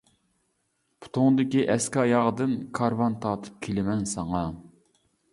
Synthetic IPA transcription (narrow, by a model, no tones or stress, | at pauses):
pʰu̥t̪ʰoŋd̪ɪkʲiʔɛskɑjɑʁd̪ɨnkʰɑɾvɑnt̪ʰɑːt̪ʰɨ̥p̚kʲʰelɪmɛnsɑŋɑ